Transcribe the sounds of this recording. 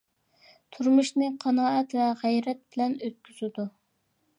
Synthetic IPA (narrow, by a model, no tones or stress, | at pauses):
t̪ʰuɾmuʃnɨqʰɑnɑːɛt̪vɛʁæjɾɛt̪̚bɪlɛnøt̪̚kʲʰyz̥ɪd̪u